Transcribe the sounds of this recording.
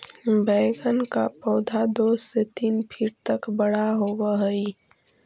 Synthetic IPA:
bɛːɡənka̰pɔːd̪ʱad̪oːsset̪iːnpʰiːɾt̪əkbəɽaɦoʋaɦəi

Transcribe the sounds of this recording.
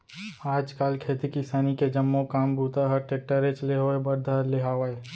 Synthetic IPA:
aːd͡ʒkaːlkʰeːt̪ikɪsaːniked͡ʒɐmːokaːmbʱuːt̪aɦəɾʈeːk̚ʈəɾet͡ʃleɦoebɐɾd̪ʱaɦɾleɦaːʋaeː

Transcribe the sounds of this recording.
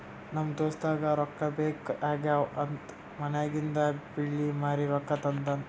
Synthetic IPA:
nɐmt̪osd̪aːɡɐɾɔkːɐbeːkaːɡaɐnt̪ | mɐnjaːɡind̪ɐbiɭːimaːɾiɾɔkːɐt̪ɐnt̪ɐn

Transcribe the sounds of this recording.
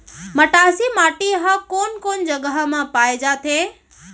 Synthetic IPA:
məʈasimaːʈiɦakoːnkoːnd͡ʒəɡəɦmãpaːed͡ʒat̪ʰẽ

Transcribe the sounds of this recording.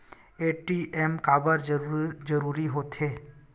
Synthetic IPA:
eːʈiʔemkaːbəɾd͡ʒd͡ʒəɾuːɾiɦoːt̪ɦeː

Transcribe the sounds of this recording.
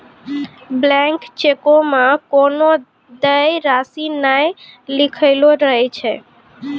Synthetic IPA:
blɛ̃ŋkt͡ʃekomãkono | d̪əjɾasinajlikʰəɪloɾəɦɛt͡ʃʰɛ

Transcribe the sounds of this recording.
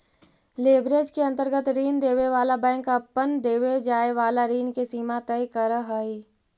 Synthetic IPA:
leːbɾeːd͡ʒkeɐ̃nt̪əɾɡət̪ɾiːnd̪eːʋeʋaːlabɛ̃ːŋkəpːənd̪eːʋed͡ʒaːeʋaːlaɾiːnkesiːmat̪əikəɾəɦəi

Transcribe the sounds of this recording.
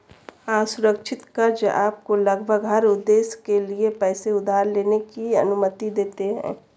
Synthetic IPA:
asʊɾəkʃʰɪt̪kɐɾd͡ʒaːp̚kolɐɡbʱəɡɦɐɾʊd̪ːeːskeliepɛːseʊd̪ʱaːɾleːnekiɐnʊmət̪id̪eːt̪eɦɛ̰̃ː

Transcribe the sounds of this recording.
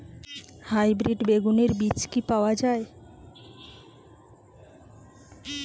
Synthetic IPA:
hajbɾiɖbeɡuneɾbit͡ɕkipaoad͡ʑae

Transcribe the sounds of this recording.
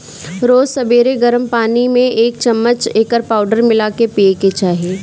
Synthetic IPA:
ɾoːzsɐbeːɾeɡəɾəmpaːnimẽʔeːk̚t͡ʃɐmːət͡ʃeːkəɾpaːʊɖəɾmɪlakepieket͡ʃaːɦieː

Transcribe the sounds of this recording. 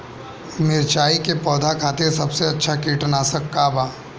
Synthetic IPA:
mɪɾt͡ʃaːikepɔːd̪ʱakʰaːt̪esɐbseɐtːʃʰakiːʈnaːsəkːabaː

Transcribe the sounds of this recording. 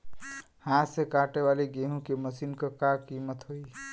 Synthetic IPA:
hãsekaʈeβaliɡeɦũkeməsinkʌkakimət̪ɦoj

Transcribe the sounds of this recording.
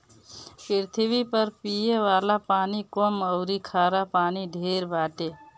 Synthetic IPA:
pɾt̪ʰibipəɾpijeʋalapaːnikɔməʊɾikʰaɾapaːniɖʱeɾbaʈe

